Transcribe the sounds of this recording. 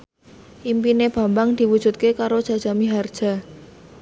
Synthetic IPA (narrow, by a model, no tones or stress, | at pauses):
ʔimpineb̥a̤mbaŋd̪̥i̤wud̥ʒ̥ṳt̪̚kekaɾod̥ʒ̥ä̤d̥ʒ̥a̤miɦard̥ʒ̥a̤